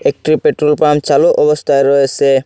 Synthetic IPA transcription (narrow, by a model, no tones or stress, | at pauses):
ek̚ʈɾipeʈɾolpamt͡ʃaluʔɔbɔst̪ʰaeɾɔesʰe